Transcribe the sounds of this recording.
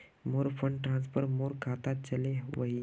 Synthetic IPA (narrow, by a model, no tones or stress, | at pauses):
moɾfʰəɳɖʈɾãnspəɾmoɾkʰat̪at̪̚t͡ɕəleʋəɦi